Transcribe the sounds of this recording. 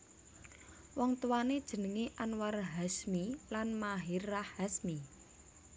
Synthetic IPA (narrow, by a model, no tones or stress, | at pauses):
wɔŋt̪uwaned̥ʒ̥ə̤nəŋeʔanwarɦasmilanmaɦirːahhasmi